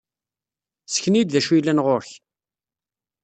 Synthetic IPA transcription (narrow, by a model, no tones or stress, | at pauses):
sə̥çnid̪ðæʃujlænʁoɾç